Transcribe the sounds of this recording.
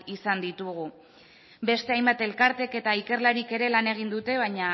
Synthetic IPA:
isand̪it̪uɣ̞u | be̞st̪e̞ajmbat̪e̞lkaɾt̪e̞ke̞t̪aike̞rlaɾike̞ɾe̞lane̞ɣ̞ind̪ut̪e̞β̞aɲa

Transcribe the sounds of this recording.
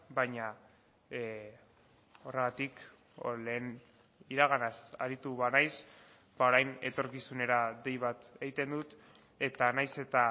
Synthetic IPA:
bajɲa | o̞re̞ɣ̞at̪ik | ole̞ːn | iɾaɣ̞anasaɾit̪uβanajs | bao̞ɾajne̞t̪o̞ɾkisune̞ɾad̪e̞jβ̞at̪e̞ɣit̪e̞nd̪ut̪ | e̞t̪anajse̞t̪a

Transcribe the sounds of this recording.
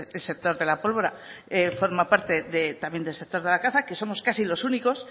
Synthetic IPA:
elsek̚t̪o̞ɾðe̞lapo̞lβo̞ɾaefo̞ɾmapaɾt̪e̞ðet̪amje̞nd̪else̞k̚t̪o̞ɾðe̞lakaθake̞so̞mo̞skasilo̞suniko̞s

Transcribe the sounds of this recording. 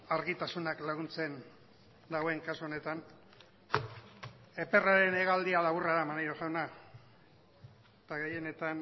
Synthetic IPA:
aɾɣit̪asunaklaɣ̞unt͡se̞n | d̪aɣwe̞ŋkasuo̞ne̞t̪an | e̞pe̞raɾe̞ne̞ɣald̪ialaβuraðamanajɾoʝawna | t̪aɣe̞je̞ne̞t̪an

